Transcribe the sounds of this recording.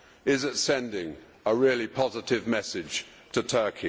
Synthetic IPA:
ɪzətsɛ̃ndɪ̃ŋ | əɹɪəlipʰɒzɪtɪvmɛsɪd̥ʒ̥ | tʰətʰɜˑkʰi

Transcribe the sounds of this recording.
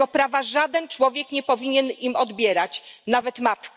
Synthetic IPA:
ɔpɾavaʐad̪ɛnt͡ʂwɔvʲjɛkɲɛpɔvʲiɲɛnimɔd̪bʲjɛɾat͡ɕnavɛt̪mat̪k

